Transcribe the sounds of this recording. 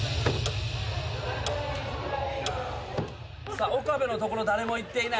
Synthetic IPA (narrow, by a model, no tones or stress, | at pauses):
saokabe̞no̞t̪okoɾod̪aɾemoit̪ːe̞ina